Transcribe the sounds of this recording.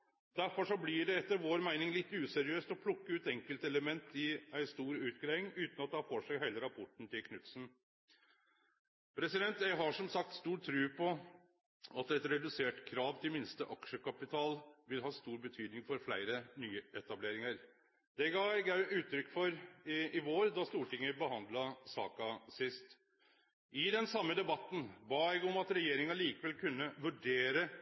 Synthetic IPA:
d̪̥æɾfɔʂɔblɪɖɛɛt̪ːəɾʋoːɾmæɪnɪŋlɪt̪ːʉːsɛɾɪøːst̪ɔpʰlʊkːəʉːt̪ɛŋkəlt̪ɛləmɛnt̪ɪæɪst̪uːɾʉːt̪ɡɾæɪɪŋʉːt̪n̩ɑt̪̚d̪hɑfoːʂæɪɦeɪləɾɑpʰɔʈɳ̩t̪ʰɪlkʰnʉt̪sn̩ | pʰɾɛsɪd̪ɛnt̪jæɪɦɑʂɔmsɑk̚t̪st̪uːʈt̪ʰːɾʉːpʰɔ | ɑt̪ɛt̪ɾɛd̪ʉseːʈkʰɾɑːʋt̪ɪlmɪnst̪əʔɑkʂəkɑpɪt̪ʰɑːlʋɪlɦɑːst̪uːɾbət̪ʰyːd̪nɪŋfɔɾflæɪɾənyːɛt̪ɑbleːɾɪŋɑɾ | d̪̥ɛɡɑːɛɡæʔʉːt̪ːɾʏkːfɔɾɪɪʋoːɾd̪ɑst̪uːʈɪŋːəbəɦɑnd̪lɑsɑ̰ːkɑsɪst̪ | ʔɪd̪ɛnsɑmːəd̪ɛbɑt̪ːn̩bɑːɛɡɔmɑt̪ɾɛjeːɾɪŋɑliːkəʋɛlkʰʉnːəʋʉɖeːɾə

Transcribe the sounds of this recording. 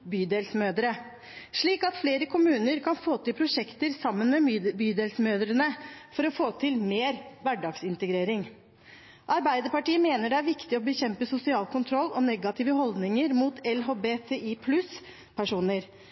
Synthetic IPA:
byːd̪eːlsmøːd̪əɾə | ʂɭiːkɑt̪fleːɾəkʰʊmʉːnəɾkʰɑnfoːt̪ɪlpʰɾʊʂɛkt̪əɾsɑmːənmɛbyːd̪eːlsmøːd̪ɾənəfɔɾɔfoːt̪ʰɪlmeːɾʋæɖɑːɡsɪnt̪əɡɾeːɾɪŋ | ʔɑɾbæɪd̪əɾpɑʈiːəmeːnəɖɛæɾʋɪkt̪ɪɔbəçɛmpəsʊsɪɑːlkʰʊnt̪ʰɾɔlːɔnɛɡɑt̪ʰiːʋəɦɔld̪nɪŋəɾmuːt̪ʰɛlɦoːbeːt̪ʰeːʔipʰlʉs | pʰæʂuːnəɾ

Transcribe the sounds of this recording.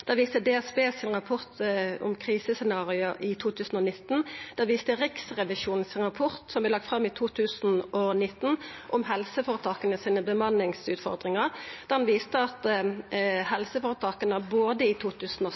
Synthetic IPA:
d̪̥ɑʋiːst̪əd̪ɛːɛsbeːsɪnʁɑpʰɔʁt̪ɔ̰mkʰʁiːsəsɛnɑːʁɪʊʔɪt̪ʰuːt̪ʰʉːsn̩ɔnɪt̪ːnd̪̥ɑʋiːst̪əʁɪksʁɛʋɪʃuːnnsɪnʁɑpʰɔʁt̪sɔmblɛlɑk̚t̪fʁɑmːɪt̪ʰuːt̪ʰʉːsn̩ɔnɪt̪ːnʔɔmɦɛlsəfoːʁət̪ʰɑːkənəsiːnəbəmɑnːɪŋsʉːt̪fɔ̰ʁd̪ʁɪŋəʁd̪̥æʁhɑnʋiːst̪əɑt̪ | hɛlsəfoːɾət̪ʰɑːkənəboːd̪əɪt̪ʰuːt̪ʰʉːsn̩ɔ

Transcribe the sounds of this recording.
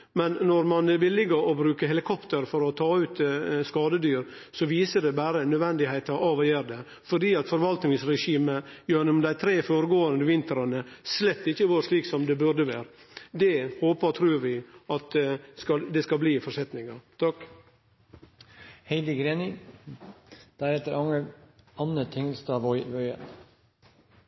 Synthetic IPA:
mɛnnɔɾmɑnʋɪlːɪɡəɾɔbɾʉːkəɦɛlɪkʰɔpt̪əɾfɔɾɔt̪ʰɑːʉːt̪skɑːd̪əd̪yːɾ | sɔʋiːsəɖɛbæːɾənœd̪ʋɛnd̪ɪhæɪt̪ɑʔɑʋɔjeːɾd̪ɛ | fɔɖiːɑt̪fɔɾʋɑlt̪nɪŋsɾɛʂiːməjøːnʊmd̪æɪt̪ʰɾeːfoːɾəɡoːənd̪əʋɪnt̪əɾɑnəslɛt̪ːɪçːəʋuːɾʂɭiːksɔmd̪ɛbʉd̪əʋæːɾ | d̪ɛhoːpət̪ʰɾʉːɾʋɪɑt̪kɑd̪ɛskɑlbliːfɔʂɛt̪nɪŋɑt̪ʰɑk | hɛɪd̪əɡɾeːnɪ | d̪̥æɾɛt̪ːəɾɑ | ɑnət̪ʰɪŋəlst̪ɑːʋɔœʏə̰n

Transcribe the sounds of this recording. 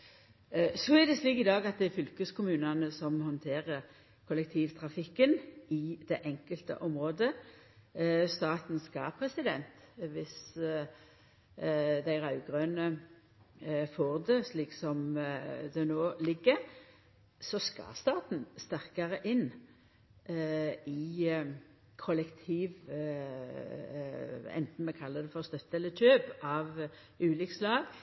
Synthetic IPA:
sɔæd̪ɛsliːkɪd̪ɑːɡɑt̪̚d̪ɛæɾfʏlkəskʰʊmʉːnɑnəsɔmhɔnt̪ʰeːʁəɾ | kʰʊlɛk̚t̪ʰiːʋt̪ʰʁɑfɪkːənɪd̪̥ɛʔɛŋkəlt̪ə̰ʔɔmʁoːd̪ə | st̪ɑːt̪n̩skɑpʰʁɛsɪd̪ɛnt̪ʋɪs | d̪æɪɾɑʉɡʁøːnə | foːʁd̪əsliːksɔmd̪ɛnoːlɪɡːə | sɔskɑ̰st̪ɑːt̪n̩st̪æʁkɑʁəʔɪnː | ɪ | kʰɔlɛkt̪ʰiːʋ | ɛ̰nt̪n̩mɛkʰɑlːəd̪ɛfɔʁst̪œt̪ːəɛlːət̪ʰøːbʔɑʋ | ʉːlɪkslɑːɡ

